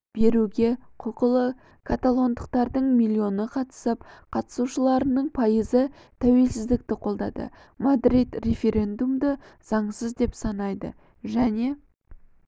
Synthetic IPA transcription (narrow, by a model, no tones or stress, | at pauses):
b̥e̞ɾuɡʲe̞qʰoqəlˠə | kʰat̪alˠo̞nd̪əq̚t̪ɑɾd̪əɴmʲilʲːio̞nəqʰɑt̪ə̥səp̚qʰɑt̪ə̥suʃəlˠɑɾənəɴpʰɑjəzə | t̪ʰæwe̞lsɪzd̪ɪk̚t̪ɪqʰo̞lˠd̪ɑd̪ə̰ | mad̪ɾit̪re̞fʲe̞ɾʲe̞nd̪umd̪əz̥ɑɴsəzd̪e̞psɑnɑjd̪ə̰ | ʒæne̞